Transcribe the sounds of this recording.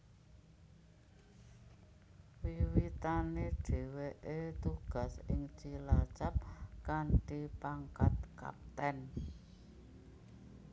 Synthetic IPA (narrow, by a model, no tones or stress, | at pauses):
wiwit̪ane̥ɖ̥e̤weʔet̪uɡ̥a̤sɪ̰ŋt͡ʃilat͡ʃap̚kaɳʈipaŋkat̪̚ka̰p̚t̪ɛn